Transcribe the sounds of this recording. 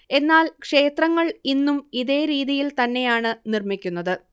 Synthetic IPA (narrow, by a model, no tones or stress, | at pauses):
e̞nːaːlkʂe̞ːt̪rɐŋːɐɭinːumiðe̞ːɾiːðijilt̪ɐnːe̞jaːɳɨnirmikʲːunːɐðɨ